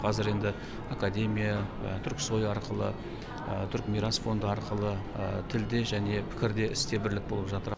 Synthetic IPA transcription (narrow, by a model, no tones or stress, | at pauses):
qʰɑzɪɾe̞nd̪ɪ | akad̪ʲe̞mʲija̰t̪ʰʏɾkso̞jɑɾqəlˠə | ət̪ʰʏɾkmijɾasfo̞nd̪əɑɾqəlˠə | t̪ʰɪld̪e̞ʒæne̞pʰɪ̥kʲɪɾd̪e̞ʔɪst̪e̞bɪɾlɪk̚bo̞lˠəpʒɑt̪əɾ